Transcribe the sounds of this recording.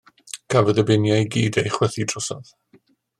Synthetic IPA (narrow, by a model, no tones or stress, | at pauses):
kʰavɛdəbɪnjajɡiːdejχwɛθid̥rɔsɔð